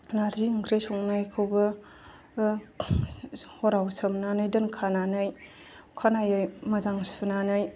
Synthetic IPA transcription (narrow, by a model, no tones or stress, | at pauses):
naɾziŋkʰɾesɔŋnajkʰɯwbɐ | hɔɾawsʰɐmnanɯjdɐnkʰananɯj | kʰanajɯjmɐzaŋsunanɯj